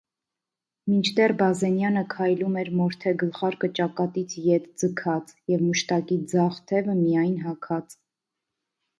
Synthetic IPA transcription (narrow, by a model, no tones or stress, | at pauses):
mint͡ʃʰd̪ɛrbɑzɛnjɑnəkʰɑjlumɛɾmɔɾt̪ʰɛɡəlχɑɾkət͡ʃɑkɑt̪it͡sʰjɛt̪d͡zəkʰɑt͡sjɛvməʃt̪ɑkid͡zɑχt̪ʰɛvəmijɑjnɦɑkʰɑt͡s